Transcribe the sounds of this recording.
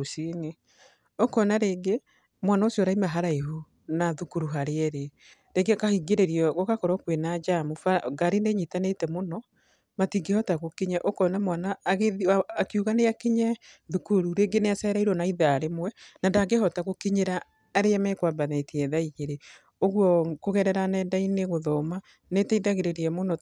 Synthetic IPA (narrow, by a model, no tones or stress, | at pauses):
osine | okɔnaɾeːŋɡe | mwanaosjɔɾaimaɦaɾaeɦu | naðukuɾuɦaɾeɛɾe | ɾeŋɡeakahiɡeɾeɾiɔɣokakɔɾɔkwenad͡ʒamufaɡaɾineɲitanetɛmonɔ | matiŋɡehɔtaɣokiɲɛʔokɔnamwanaːɣeaːkiuɣaneakiɲɛðukuɾuɾeŋɡeneasɛɾaiɾɔnaiðaɾemwɛnandaɡeɦɔtaɣokiɲeɾaː | ɾeamɛkwabanɛtiɛðaiɣeɾe | oɣwɔkoɣɛɾɛɾanɛːndaineɣoðɔma | netɛiðaɣeɾeɾiɛmonɔ